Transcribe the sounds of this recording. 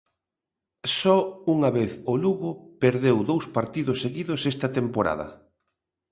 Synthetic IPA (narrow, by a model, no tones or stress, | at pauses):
sɔuŋɐβeθoluɣʊpeɾðewðowspaɾt̪iðʊsːeɣiðʊsɛst̪ɐt̪empoɾa̰ðɐ̰